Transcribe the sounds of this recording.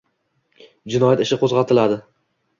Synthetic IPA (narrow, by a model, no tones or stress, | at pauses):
d͡ʒɪnɒjat̪ɪʃɪqʰozʁɑt̪ʰɪlad̪ɪ